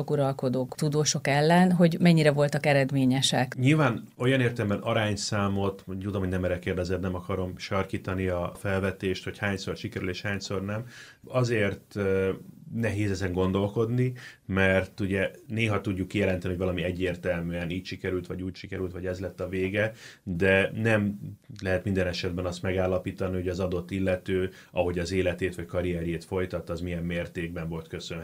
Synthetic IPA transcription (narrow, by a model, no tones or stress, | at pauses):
okuɾɒlko̞d̪oːkt̪ud̪oːʃo̞kɛlːɛnɦo̞ɟmɛɲːiɾɛvo̞lt̪ɒkɛɾɛd̪meːɲɛʃɛkɲilvaːno̞jɒneːrt̪ɛlɛmbɛnʔɒɾaːɲsaːmo̞t̪t̪ud̪omɦoɟnɛmɛɾɛkeːrd̪ɛzɛt̪nɛmɒkɒɾo̞mʃɒrkiːt̪ɒniɒfɛlvɛt̪eːʃt̪ho̞chaːɲso̞rʃikɛɾyleːʃhaːɲso̞rnɛm | ɒzeːrt̪ | nɛɦeːzɛzɛŋɡo̞nd̪o̞lko̞d̪nimɛrt̪uɟɛneːɦɒt̪uɟːukːijɛlɛnt̪ɛnioɟvɒlɒmiɛɟːeːrt̪ɛlmyɛniːcʃikɛɾylt̪ʋɒɟuːcʃikɛɾylt̪ʋɒɟɛzlɛt̪ːɒveːɡɛd̪ɛnɛmlɛɦɛt̪mind̪ɛnɛʃɛd̪̚bɛnɒst̪mɛɡaːlːɒpiːt̪ɒniho̞ɟɒzɒd̪o̞t̪ːilːɛt̪øː | ɒɦo̞ɟɒzeːlɛt̪eːt̪ʋɒckɒɾiɛɾjeːt̪fo̞jt̪ɒt̪ːɒzmijɛmːeːrt̪eːɡbɛɱvo̞lt̪kø̞søn